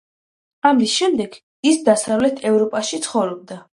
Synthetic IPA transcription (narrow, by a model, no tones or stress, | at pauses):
amisʃɛmd̪ɛɡ̥ | isd̪asavlɛt̪ʰɛvɾɔpʼaʃit̪sʰχɔvɾɔb̚d̪a